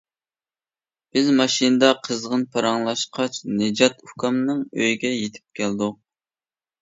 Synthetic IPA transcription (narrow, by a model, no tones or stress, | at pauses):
b̥ɪzmɑʃinɨd̪ɑqʰəzʁənpʰɑɾɑŋlˠɑʃqʰɑt͡ʃnɨd͡ʒɑt̪ʰukʰɑmnɨŋøjɡʲɛjet̪ʰɪ̥p̚kʲʰɛld̪uq̚